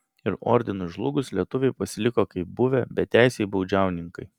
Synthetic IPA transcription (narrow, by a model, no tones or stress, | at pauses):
ɪɾɔ̰ːɾʲd̪ʲɪnʊʒlˠʊɡʊslʲiɛt̪ʊʋʲɛɪpɐsʲɪlʲɪkoːkɐɪp̚bʊʋʲɛbʲɛt̪ʲæˑɪsʲɛɪbɐʊd͡ʒʲæˑʊnʲɪŋkɐɪ